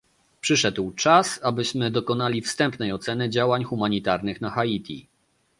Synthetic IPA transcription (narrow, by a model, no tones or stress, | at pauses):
pʂɘʂɛd̪wt͡ʂasabɘɕmɘd̪ɔkɔnalʲifst̪ɛmpnɛjɔt̪sɛnɘd͡ʑawaɲxumaɲit̪aɾnɘxnaxait̪ʲʰḭ